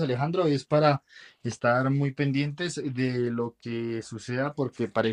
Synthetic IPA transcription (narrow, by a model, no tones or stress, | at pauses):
ale̞xand̪ɾo̞e̞spaɾaest̪aɾmujpe̞nd̪je̞nt̪e̞zðe̞lo̞kesuse̞ðapo̞ɾke̞paɾe